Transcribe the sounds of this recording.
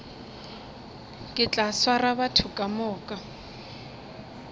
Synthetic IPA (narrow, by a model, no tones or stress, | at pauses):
kʼɪt͡ɬʼaswarabatʰʊkʼamɔːkʼa